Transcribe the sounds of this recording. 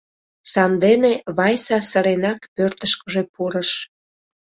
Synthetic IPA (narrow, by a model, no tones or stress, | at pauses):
sɑnd̪eneβɑjsɑsəɾenɑkpørt̪əʃkəʒe̽puɾəʃ